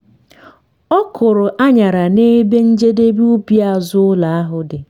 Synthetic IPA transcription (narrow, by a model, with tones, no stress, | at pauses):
ɔ˦kʰʊ˨ɾʊ˨ʔa˦ɲa˨ɾa˨ne˦be˦n̩˦d͡ʒe˦de˦bi˦u˦pja˨zʊ˦ʊ˦la˨a˦ɦʊ˨dɪ˨